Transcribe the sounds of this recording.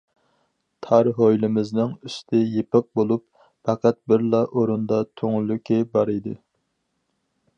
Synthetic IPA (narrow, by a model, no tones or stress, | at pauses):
t̪ʰɑɾɦojlɪmɪznɨŋyst̪ʰɪjepɨq̚bolˠup | fæqæt̪̚bɪɾlˠɑʔoɾund̪ɑt̪ʰøŋlykʲʰibɑɾid̪ɨ